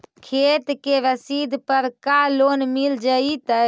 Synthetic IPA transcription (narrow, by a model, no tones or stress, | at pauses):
kʰet̪keʋəsid̪ʱpəɾkalonmild͡ʒəit̪ə